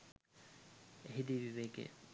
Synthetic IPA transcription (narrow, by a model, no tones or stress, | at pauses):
eɦid̪iʋiʋeɡḛ